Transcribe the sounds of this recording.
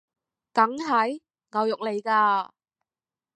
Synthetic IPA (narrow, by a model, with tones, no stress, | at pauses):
kɐ˨˥ŋɦɐ˨˥j | ŋa˨˧wjʊ˨k̚le˨˧jkaː˧